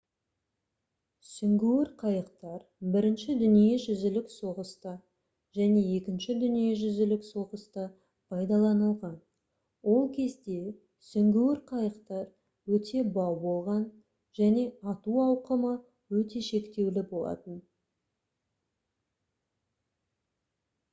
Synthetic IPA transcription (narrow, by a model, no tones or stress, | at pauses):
sʏŋɡʲewɪɾqʰɑjəqt̪ɑɾ | bɪɾɪnʃɪd̪ʏnije̞ʒʏzɪlɪkso̞ʁəst̪ɑ | ʒæne̞je̞kʲɪnʃɪd̪ʏnije̞ʒʏzɪlɪkso̞ʁəst̪ɑ | pʰɑjd̪ɑlˠɑnəlˠʁɑn | wo̞lˠkʲʰe̞zd̪e̞ | sʏŋɡʲuwɪɾqʰɑjəqt̪ɑɾ | wɵt̪ʰe̞bɑwbo̞lˠʁɑn | ʒ̥æne̞ɑt̪uɑwqəmə | wɵt̪e̞ʃe̞kt̪e̞wlɪbo̞lˠɑ̰t̪ən